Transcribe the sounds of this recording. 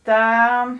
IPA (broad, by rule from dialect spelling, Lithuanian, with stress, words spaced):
ˈtɐ